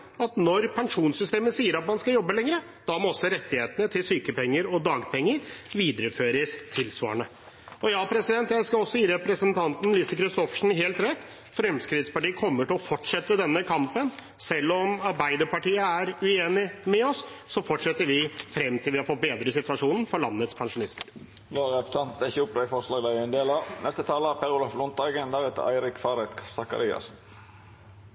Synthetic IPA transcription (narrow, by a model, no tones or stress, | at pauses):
ɑt̪nɔɾpʰɛŋʂuːnsʏst̪eːməsiːəɾɑt̪̚mɑnskɑjɔbːəlɛŋɾə | d̪̥ɑmɔsəɾɛt̪ːɪheːt̪ənət̪ʰɪlsyːkəpɛŋːəɾɔd̪ɑːɡpʰɛŋːəɾʋiːd̪ɾəføːɾəst̪ʰɪlsʋɑ̰ːəɳə | ɔjɑːpʰɾɛsɪd̪ɛnt̪jæɪskɑɔsːɔiːɾɛpɾəsənt̪ʰɑnt̪n̩liːsəkɾɪst̪ɔfʂn̩ɦeːlt̪ɾɛt̪ː | fɾɛmskɾɪd̪spɑʈiːəkʰɔmːəʈɪlɔfɔʈʂɛt̪ːəd̪ɛnːəkʰɑmpən | sɛlːɔmɑɾbæɪd̪əɾpɑʈiːəæɾʉeːnɪmɛɔsːɔfɔʈʂɛt̪ːəɾʋɪfɾɛmːt̪ʰɪlʋɪhɑɾfɔt̪̚beːd̪ɾəsɪt̪ʉɑʂuːnn̩fɔɭɑnːət̪spʰɑŋʂʊnɪsməɾ | loːʁɛpɾə̥sɑnt̪nɪçəʊpd̪ɛfɔʁʂlɑːɡd̪æɪɛnd̪eːlɑnɛst̪ət̪ʰɑːləpʰɛɾʊlɑflɔnt̪əɑɡɛnd̪ɑʁɛt̪ə̰æ̰ɪɾɪkfɑɾɛt̪kʰsɑkɑ̰ɾiːɑ̰sn